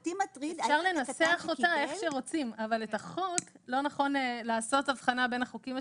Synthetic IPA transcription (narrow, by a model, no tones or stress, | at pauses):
t̪imat̪ʁiefʃaʁle̞naseaχotae̞χʃeʁo̞t͡simavale̞taχok | lo̞naχo̞nelaːso̞tavχanabe̞naχokima